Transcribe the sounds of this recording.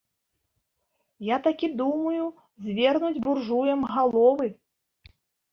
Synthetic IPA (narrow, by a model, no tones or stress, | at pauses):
jat̪akʲid̪umɐju | zʲvʲɛrnud͡zʲburʐujɛmɣalˠɔvɨ